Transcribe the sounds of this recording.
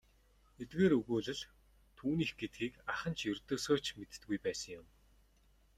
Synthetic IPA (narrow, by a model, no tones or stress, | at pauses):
et̪ɡeːɾɵɣuːɮɘ̆ɮ | t̪ʰuːniːxɡet̪̚ɡiːkaχə̆nt͡ɕʰjɵrt̪oːsoːt͡ɕmet̪̆t̪ɡujpæːsə̆ŋjʊm